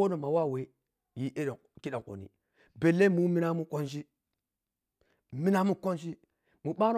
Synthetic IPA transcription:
o˦no˨ma˨wa˦˨we˨ | ji˦ʔe˦˨ | ki˦ɗa˨ŋko̰˨nḭ˨ | be˨le˦mu˦mi˦na˦mu˦ko˦nʃi˦ | mi˦na˦mu˦ko˦nʃi˦ | mu˨ɓa˦n˦

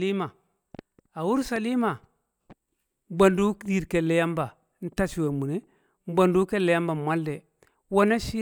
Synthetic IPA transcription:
li˦ma˨ | a˨u˦ɾsa˨li˦ma˨˦ | ba˨ndu˦di˦˨ɾke˨le˦ja˦mba˨˦ | n̩˦ta˦t͡ʃi˨we˨mu˨ne˦ | m˦ba˨ndu˦ke˦le˨ja˦mba˨mʷa˦lːe˨ | wo˦na˦ʃi˦

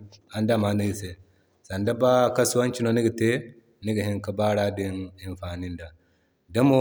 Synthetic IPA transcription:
a˨nda˦˨ma˨ni˦i˦˨se˨ | sa˨nda˦ba˦ka˦su˦wa˦nt͡ʃi˦no˦ni˦ɡɐ˨te˦ | ni˦ɡɐ˨hi˦ŋka˦ba˦ɾa˦di˦ni˨nfa˨ni˦nda˨ | da˦mo˦

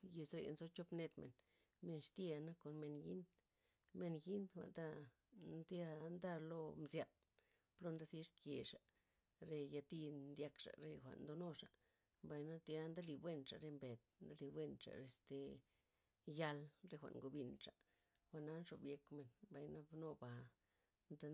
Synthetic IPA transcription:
je˧sɾḛ˨nzo˦t͡ʃo˦pne˧t̪mḛ˨n | me˧nʂt̪je˦˧a˧na˦ko˨nme˧nji˦nd̪ | me˧nji˦nd̪xʷa̰˨nd̪a˦ | nd̪ja˦˧nd̪a˦˧lo˦˧mzja˧˨n | plo˦˧nd̪a˦si˦ʂkje˨ʂa˨ | ɾe˧ja˧t̪i˧nd̪ja˧kʂa̰˨ɾe˧xʷa̰˨ʔnd̪o˧no˦ʂa˨ʔ | mba˧jna˦t̪ja˦nd̪a˦li˧˨bwe˦˧nʂa˨ɾe˧mbe˨t̪̚nd̪a˦li˧bwe˦˧nt͡ʃa̰˨ɾe˧st̪e˧ | ja˧lɾe˧xʷa̰˨ʔŋɡo˧bi˧nʂa˨ | xʷa˨ʔna˧˦nʂo˨bje˧kme˧nmba˨jna˦bno˧ba˨ | nd̪a˧

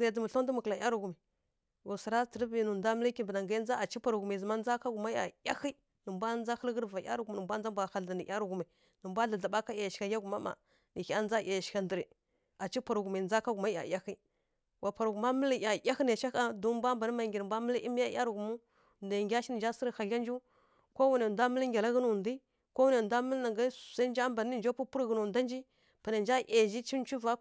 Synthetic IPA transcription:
a˨d͡zə˨mu˨ɬo˦n˦də˦mə˨kla˨ja˦ɾu˨ɡu˨mi˨ | wu˨sə˨ɾa˦tə˨ɾə˦bi˨nu˨nda˦mə˦li˦ki˦bna˨ŋɡa˦n˦d͡za˦a˨t͡ʃi˦pa˨ɾɡmi˨zə˨ma˦n˦d͡za˦ka˦ɡu˨ma˦ja̰˨ja̰˦xi˦ | nə˨mbʷa˦n˦a˦xə˦lɣə˦ɾva˨ja̰˦ɾu˦ɡu˨mi˨nə˨mbʷa˦n˦a˦mbʷa˨xa˨la˨ni˨ʔa˦ɾu˨ɡu˨ma˨ | nə˨mbʷa˦ɮa˨ɮa˨ɓa˦ka˦ja˨jʃʲa˨ja˦ɡu˨ma˦ma̰˨ | ni˨xa˦n˦d͡za˦ja˨jʃi̥˨ka˨ndə˨ɾi˨ | a˨t͡ʃi˦pa˨ɾɡu˨ma˨d͡za˦ka˦ɡu˨ma˦a̰˨ja˦xi˦ | wa˨pa˨ɾɡu˨ma˦mə˦li˨ja˨jʲa˦xə˦na˨ʃa˦ka˦du˦mbʷa˦mba˨ni˦ma˨ŋɡi˨ɾbʷa˦mə˦li˦ʔi˦mi˦ja˦ja̰˦ɾɡu˨mu˦ | nda˨ŋɡʲa˦ʃi˦i˨nd͡ʒa˦sə˦ɾə˦xa˨ɬa˦nd͡ʒu˦ | ko˦wu˦ne˨nda˦mə˦lŋɡʲa˨la˦ɣə˦nu˨ndi˦ | ko˦wu˦ne˨da˦mə˦lna˨ɡa˦˨sa˦nd͡ʒa˦mba˨n˦i˦˨nd͡ʒo˦pu˦pu˦ɾɣə˨nu˨nda˦nd͡ʒi˦ | pa˨na˨nd͡ʒa˦ʔa˨ʒi˦t͡ʃi˦n˦t͡ʃu˦va˦

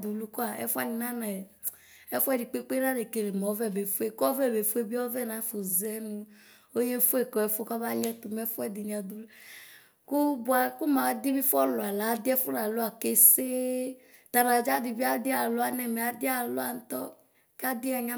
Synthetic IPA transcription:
d̪u˨lu˦kɔ˦a˨ɛ̰˦fu˦a̰˦ni˨nã˦na˨ | ɛ˦fu˦ɛ˦di˨k͡pe˦k͡pe˦ɾa˦de˨ke˨ɾe˨m˨ɔ˨˦vɛ˦˨be˨fu˦e˨kɔ˦vɛ˦˨be˨fu˦e˦bi˦ɔ˦vɛ˦˨nã˨˦fo˨zɛ˦nũ˦ | o˦je˦fu˦e˨kɔ˨ɛ˨fo˦ka˦ba˦ɲɛ˦t̪u˨mɛ˦fu˦ɛ˦d̪i˨nĩ˨a˨d̪u˨lu˦ | ku˦bu˦a˨ku˦mã˨˦d̪i˦mĩ˦fɔ˦lɔ˨a˨la˨˦d̪i˦ɛ˦fu˦ɾa˨lo˦a˨ke˦se˦ | t̪a˨ɾa˨d͡ʒa˦di˨bi˦a˦d̪i˦a˨lo˦a˨nɛ˨mɛ˨a˨d̪i˦a˨lo˦a˨n̩˦t̪ɔ˦ | ka˦d̪i˦a˨ɲa˦

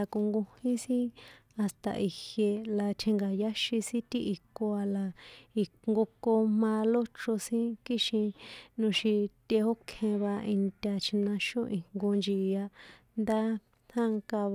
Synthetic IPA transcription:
a˧ko˧ŋɡũ˧hĩ˦sĩ˦a˧st̪a̰˧ʔi˨hje˧la˨t̪ʰe˧ŋɡa˨ja˦ʃi˧sĩ˦t̪i˦ʔi˨˧ko˧a˧la˨i˨kŋɡo˧ko˧mã˧lo˦t͡ʃo˧sĩ˦ki˦ʃĩ˧nũ˧ʃi˧t̪e˧ho˦kʰẽ˧βa˧i˧nt̪ʲa˧t͡ʃʰi˧nã˧ʃõ˦ʔĩ˨ŋ̥ŋɡo˧nd͡ʒi˨˧ja˧ | nd̪a˦ | t̪ʰã˦ŋka˧β

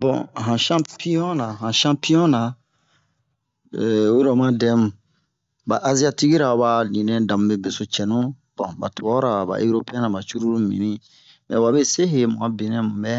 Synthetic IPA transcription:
bɔ̰̃˨ɦã˨ʃã˦pi˦jɔ̃˦na˨ɦã˨ʃã˦pi˦ɔ̃˦na˨ | o˦ɾɔ˨mã˦dɛ̃˦mũ˨ | ba˨ʔa˦zi˦a˦ti˦ɡi˦ɾa˨o˨ba˨nĩ˨nɛ̃˦dã˨mũ˦be˨be˨so˨t͡ʃɛ˨nũ˦ | b̥ɔ̃˨ba̰˨tɔ˨ɡɔ˦ɾa˨ba̰˨ʔe˦ɾo˦peɛ̃˦nã˨ba˨t͡ʃu˦ɾu˦ɾu˦mḭ̃˨nĩ˦ | mɛ̰˨wa˨be˦se˦ɦe˨mu˨ɡã˦bi˨nɛ̃˦mũ˨bɛ˦

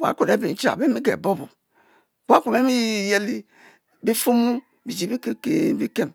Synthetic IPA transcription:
wa̰˨˦ko˨ɾe˦bi˨n̩˦t͡ʃa̰˨be˦mi˦ɡḛ˨bo˦bo˨ | ka˦ku˨me˦mi˦˨je˦li˦ | bi˦fu˦mu˦ | bi˨d͡ʒi˨bi˦ke˦e˨bi˦ke˦m

